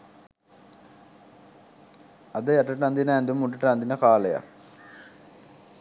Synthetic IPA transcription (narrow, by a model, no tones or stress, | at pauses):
ɐd̪əjɐʈɐʈand̪inəːnd̪umːuʈ̬ːɐʈɐnd̪inəkaːleja̰